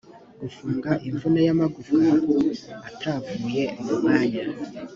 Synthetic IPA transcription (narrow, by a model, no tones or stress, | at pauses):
ɡ̥ufuːŋɡaʔiɱvunajamaɡufiŋɡuatʰavuːje̞ʔaβamaːɲa